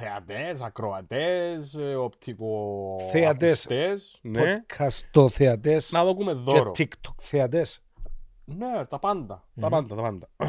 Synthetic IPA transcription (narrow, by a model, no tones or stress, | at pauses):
θea̰t̪esakɾoat̪esopt̪ʰikoθeat̪est̪esnokʰɐst̪oθeɐt̪esnaðokumeðːoɾotːikt̪ʰo̥kθeɐt̪es | net̪ɐpand̪ɐ | t̪ɐpand̪ɐt̪ɐpand̪ɐ